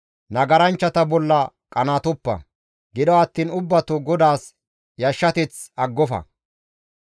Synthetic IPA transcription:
nɐɡɐɾɐnt͡ʃːɐt̪ɐbɔlːɐ | kʼɐnaːt̪ʊpːɐ̰ | ɡɪd̪ɔɐt̪ːiːnʊbːɐt̪uɡɔd̪aːs | jɐʃːɐt̪ɪt͡sɐɡːɔfɐ̰

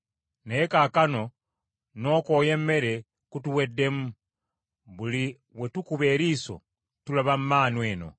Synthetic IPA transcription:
nekakano̞ | no̞ːko̞ːje̞mːe̞ɾe̞ | kutuwe̞dːe̞mu | βuli | we̞tukuβe̞ːɾiːso̰ | tulaβamumaːnweːno̞̰

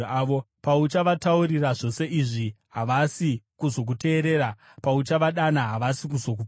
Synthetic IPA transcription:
ʋo | paut͡ʃaʋatauɾiraʐo̞se̞ʔiʐi | ɦaʋasikuzo̞k̬ute̞ːɾe̞ːɾa | paut͡ʃaʋaɗanaɦaʋasikuzo̞k̬up

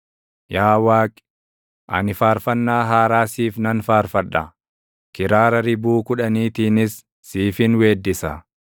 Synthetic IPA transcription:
jaːwaːkʼ | ʔɐ̰nɪfaːɾfɐnːaːɦaːɾaːsiːfnɐnfaːɾfɐᶑːɐ̰ | kɪɾaːɾɐɾɪbuːkʊᶑɐniːt̪iːnɪsː | iːfɪnweːd̪ːɪsɐ

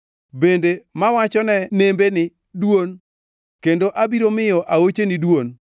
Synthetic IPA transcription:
bendemawat͡ʃɔnɛnembenɪ | dwon | kendoʔabiɾomɪjɔʔaot͡ʃenɪdwon

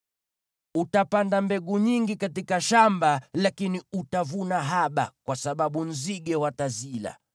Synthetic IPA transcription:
utapandambɛɡuɲiŋɡikatikaʃambalakiniutavunaɦaɓa̰kwasaɓaɓun̩ziɡɛwatazila̰

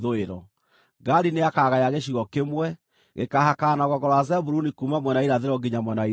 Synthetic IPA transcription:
ðoeɾɔ | ɡaɾineakaɣajaɣeʃ̬iɣɔkemwɛ | ɣḛkahakanaɣɔɣɔɾɔazɛbuɾunikumamwɛnaiɾaðeɾɔɡiɲamwɛnai

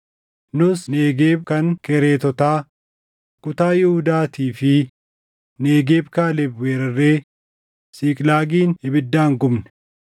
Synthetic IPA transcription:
nʊsneːɡeːb̚kɐŋkɛɾeːt̪ɔt̪aː | kʊt̪aːjɪhʊd̪aːt̪iːfɪ | neːɡeːbkaːlɛbweːɾrːeː | siːkʼlaːɡiːnhɪbɪd̪ːaːŋɡʊmnɛ̥

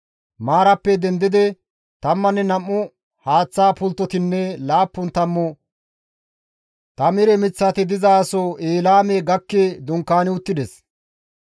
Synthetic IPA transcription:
maːɾɐpːɛd̪ɛnd̪ɪd̪ɛ | t̪ɐmːɐnːɛnɐmːʊ | haːt͡sːaːpʊlt̪ːɔt̪ɪnːɛlaːpːʊnt̪ɐmːɔ | t̪ɐmɪɾɛmɪt͡sːɐt̪ɪd̪ɪzaːsɔeːlaːmɛɡɐkːeːd̪ʊŋkːaːnɪʊt̪ːɪd̪ɛs

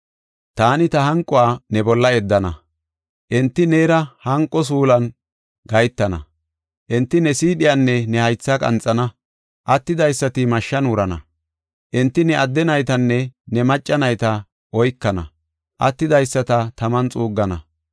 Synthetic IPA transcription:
t̪aːnɪt̪ɐhɐŋkʼɔwaːnɛbɔlːɐɛd̪ːɐnɐ̰ | ʔɛnt̪ːɪneːɾɐhɐŋkʼːɔs̬uːlɐn | ɡɐjt̪ːɐnɐ̰ | ʔɪnt̪ːɪnɛsiːɗɪjanːɛnɛhɐjt͡sːakʼɐ̰nt͡sʼːɐnɐ | ʔɐt̪ːɪd̪ɐjsːɐt̪ɪmɐʃːɐnuɾɐnɐ̰ | ʔɪnt̪ːɪnɛɐd̪ːɛnɐjt̪ɐnːɛnɛmɐt͡ʃʼːɐnɐjt̪ɐ | ʔɔjkːɐnɐ̰ | ʔɐ̰t̪ːɪd̪ɐjsːɐt̪ɐt̪ɐmɐnt͡sʼuːɡːɐnɐ̰

